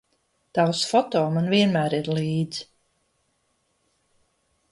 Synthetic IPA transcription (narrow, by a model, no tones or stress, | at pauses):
t̪awsfɔt̪ɔːmanviɛnmæːɾiɾlˠiːd̪z